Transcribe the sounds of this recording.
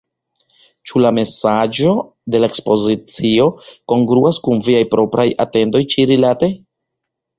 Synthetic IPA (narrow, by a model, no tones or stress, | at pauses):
t͡ʃulame̞sad͡ʒo̞ | de̞laekspo̞zit͡sio̞ko̞ŋɡɾuaskunviajpɾo̞pɾaja̰te̞ndo̞jt͡ʃiɾilatej